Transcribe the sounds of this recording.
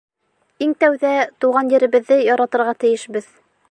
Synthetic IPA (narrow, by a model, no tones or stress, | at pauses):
iŋt̪æwðæt̪uʁɑnjɘ̆ɾɘ̆βɘ̆ðːɘjɒɾɑt̪ɤ̆ɾʁɑt̪ɘ̆jɘ̆ʃbɘð